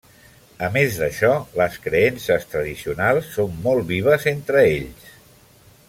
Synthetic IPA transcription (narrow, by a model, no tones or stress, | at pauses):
əmezðəʃɔləskɾeɛnsəst̪ɾəðisiunalˠsːomːɔlˠβiβ̞əzent̪ɾəeʎs